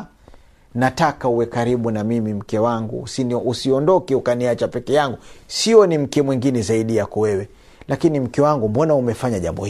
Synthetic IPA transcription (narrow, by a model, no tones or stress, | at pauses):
natakauwɛkaɾiɓunamimim̩kɛwaŋɡṵsusiɔndɔkɛukaniat͡ʃapɛkɛjaŋɡusiɔnim̩kɛmwɛŋɡinɛzaiɗijakɔwɛwɛ | lakinim̩kɛwaŋɡumbɔnaumɛfaɲaʄa̰mbɔ̰h